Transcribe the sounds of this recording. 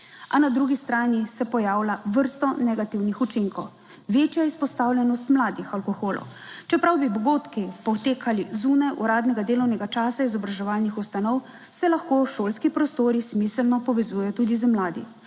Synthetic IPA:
anad̪ɾuɡist̪ɾaːnisɛpɔjaːwlaʋəɾst̪ɔnɛɡat̪iwnixut͡ʃiŋkɔw | ʋeːt͡ʃjaispɔst̪aːwlʲjɛnɔst̪mlaːd̪ixalkɔxoːlɔ̰w | t͡ʃɛpɾawbibɔɡoːt̪kipɔt̪eːkʰalizuːnajʔṵɾaːd̪nɛɡad̪eːlɔwnɛɡat͡ʃaːsaizɔbɾaʒɛʋaːlnixust̪anɔw | sɛlaxkoːʃoːlskipɾɔst̪oːɾismisəlnɔpɔʋɛzuːjɛjɔt̪uːd̪izəmlaːd̪ḭ

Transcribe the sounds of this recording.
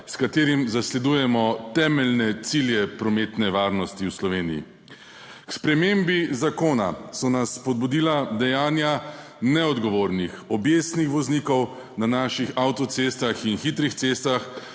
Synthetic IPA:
skat̪eːɾimzaslɛd̪uːjɛmɔt̪ɛːmɛlnɛt̪siljɛpɾɔmeːt̪nɛʋaːɾnɔst̪iwslɔʋeːnḭjḭ | kspɾɛmembizakoːna̰sɔnasːpɔd̪̚bud̪iːlad̪ɛjaːnja | nɛɔd̪ɡɔʋoːɾnixɔbjest̪nixʋɔzniːkɔw | nanaːʃixawt̪ɔt̪sest̪axinxit̪ɾixt̪sest̪ax

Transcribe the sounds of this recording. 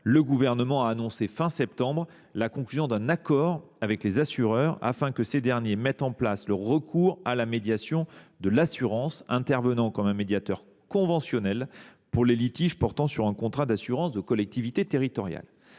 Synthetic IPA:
ləɡuvɛʁnəmɑ̃aːnɔ̃sefɛ̃sɛp̚t̪ɑ̃bʁ | lakɔ̃klyzjɔ̃d̪ɛ̃nakɔʁ | avɛklezasyʁœːʁa̰fɛ̃kəsed̪ɛʁnjemɛt̪ɑ̃plasləʁəkʰuʁalamed̪jasjɔ̃d̪əlasyʁɑ̃sɛ̃t̪ɛʁvənɑ̃kɔmɛ̃med̪jat̪œʁ | kɔ̃vɑ̃sjɔnɛlpuʁlelit̪iʒpɔʁt̪ɑ̃syʁɛ̃kɔ̃t̪χad̪asyʁɑ̃sd̪əkɔlɛk̚t̪ivit̪et̪eʁit̪ɔʁja̰l

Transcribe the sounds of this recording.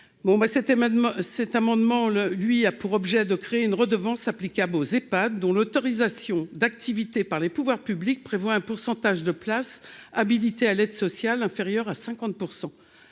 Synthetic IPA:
bɔ̃basɛt̪sɛt̪amɑ̃d̪mɑ̃lɥiapuʁɔbʒɛd̪əkχeeynʁəd̪əvɑ̃saplikʲablozepad̪ːɔ̃lɔt̪ɔʁizasjɔ̃d̪ak̚t̪ivit̪epaʁlepuvwaʁpyblik̚pχevwaɛ̃puʁsɑ̃t̪aʒd̪əplasabilit̪ealɛd̪sɔsjalɛ̃feʁjœʁasɛ̃kɑ̃t̪̚puʁsɑ̃

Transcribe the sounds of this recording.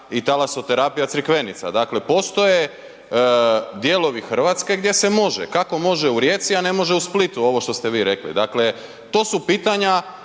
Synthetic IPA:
it̪alaso̞t̪e̞ɾapijat̪sɾikʋe̞nit̪sa̰d̪akle̞po̞st̪o̞je̞ | d̪je̞lo̞ʋixr̩ʋat̪ske̞ɡd̪je̞se̞mo̞ʒḛkako̞mo̞ʒeuɾje̞ːt̪siane̞mo̞ʒeusplit̪uo̞ʋo̞ʃt̪o̞st̪e̞ʋiːɾe̞klḭd̪akle̞ | t̪o̞ːsupiːt̪aɲa

